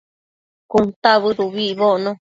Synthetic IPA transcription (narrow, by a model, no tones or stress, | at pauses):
kunt̪aβɨɾuβiʔβoʔnõ